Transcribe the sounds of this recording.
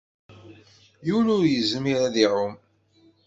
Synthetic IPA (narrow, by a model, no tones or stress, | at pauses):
junʊɾjəzmiɾæðiʕʊm